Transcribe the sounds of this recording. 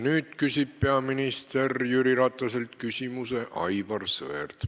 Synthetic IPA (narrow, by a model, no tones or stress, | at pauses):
nyːd̪̥̚kysʲib̥̚pe̞ɑminist̪e̞rjyɾiɾɑt̪ˑːɑs̬elt̪̚kysʲimuse̞ʔɑ̰jvɑrsɤ̰ert̪